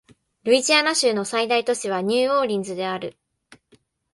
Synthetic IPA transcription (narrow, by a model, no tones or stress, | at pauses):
ɾɯ̟it͡ɕianaɕɨːno̞said̪ait̪o̞ɕiβ̞aɲ̟ʲɨːo̞ːɾʲĩnd͡zɨd̪e̞aɾɯ̟